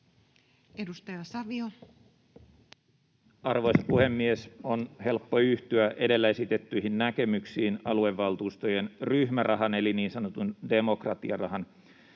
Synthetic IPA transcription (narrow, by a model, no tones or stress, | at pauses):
edust̪ɑjɑsɑʋio | ɑrʋo̞jsɑpuhe̞mːiesonhe̞lpːo̞yht̪yæʔe̞de̞lːæe̞sit̪e̞t̪ːyiɦinnæke̞myksiːnɑ̰lue̞ʋːɑlt̪uːst̪ojenryhmærʔɑɦɑne̞liniːnsɑnot̪unde̞mo̞krɑt̪iɑrɑɦɑn